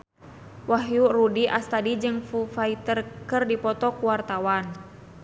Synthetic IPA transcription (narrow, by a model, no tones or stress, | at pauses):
waɦjurudiʔast̪adid͡ʒɨŋfufait̪ərkɨrdipɔt̪ɔkuwart̪awan